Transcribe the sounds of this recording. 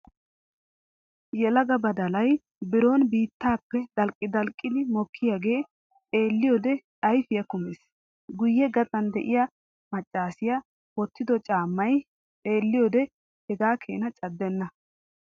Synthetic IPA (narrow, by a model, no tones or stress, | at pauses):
jɛlɐɡɐbɐd̪ɐlɐj | bɪɾo̞ːnbiːt̪ːaːpːɛd̪̥ɐlkʼːɪd̪ɐlkʼːɪd̪ɪmɔkʰːɪjaːɡe̞ː | e̞ːlːɪjoːd̪ɛt̪ʼɐjfɪjɐkʊmɪs | ɡʊjːɛɡɐt̪ʼɐnd̪ɛʔɪja | mɐt͡ʃʼːaːsɪja | wɔt̪ːɪd̪ɔt͡ʃʼaːmːɐjʼ | e̞ːlːɪjoːd̪ɛ | hɛɡaːkʰe̞̰ːnɐt͡ʃʼɐd̪ːɛnːɐ